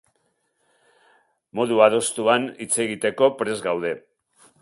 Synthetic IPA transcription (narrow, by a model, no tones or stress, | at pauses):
mo̞ðuaðo̞st̪uanit͡se̞ɣit̪e̞ko̞pɾe̞zɡawð̞e̞